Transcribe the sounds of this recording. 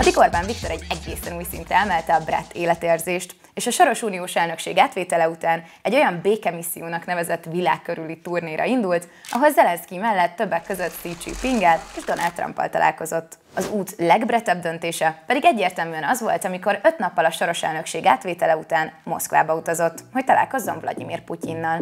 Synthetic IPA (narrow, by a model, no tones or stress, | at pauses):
ɒd̪iɡo̞rbaːɱvik̚t̪o̞ɾɛɟɛɡeːsɛnuːjsḭnt̪ɛɛlmɛlt̪ɛɒbrɛ̰t̪ːeːlɛt̪eːrzeːʃt̪ | eːʃɒʃo̞ɾo̞ʃuːnijoːʃɛlnø̞kʃeːɡaːt̪ʋeːt̪ɛlɛut̪aːn | ɛɟːo̞jɒmbeːkɛmisːḭjoːnɒknɛvɛzɛt̪ːvila̰ːkːøɾylit̪urneːɾɒ̰ind̪ult̪ɒɦo̞lzɛlɛnskimɛlːɛt̪ːø̞bːɛkːøzøt̪ːit͡ʃḭpiŋɡɛleːʒd̪o̞na̰lt̪ːrɒ̰mpːɒ̰lt̪ɒ̰lʔa̰ːlko̞zo̞t̪ː | ɒzuːt̪lɛɡbrɛt̪ːɛbd̪ø̞nt̪eːʃɛpɛd̪iɡɛɟːeːrt̪ɛlmyːɛnɒzʋo̞̰lt̪ɒmiko̞ɾø̞t̪nɒpːɒlɒʃo̞ɾo̞ʃɛ̰lnø̞kʃeːɡaːt̪ʋeːt̪ɛlɛut̪aːnmo̞skʋa̰ːbɒut̪ɒzo̞t̪ːho̞c̚t̪ɒlʔa̰ːlko̞zːo̞ɱvlʔɒ̰d̪ḭmḭːrpucinːɒl